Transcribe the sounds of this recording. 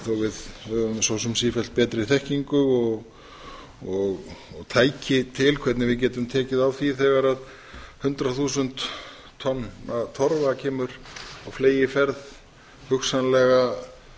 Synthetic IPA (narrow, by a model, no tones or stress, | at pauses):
θowvɪðhœːðʏmsɔːwsʏmsiːfɛl̥t̪̚pɛːt̪ɾɪiθɛhciŋkʏɔɣ | ɔɣɔɣt̪ʰaːjcɪt̪ʰɪlkʰvɛt̪nɪvɪðc̬ɛːt̪ʏmt̪ʰɛːcɪðavθiθɛɣaɾað | hʏnt̪ɾaθuːsʏnt̪ʰː | ɔnːat̪ʰɔɾvacʰɛːmʏɾawfleːjɪfɛɾð | hʏxsanlɛɣa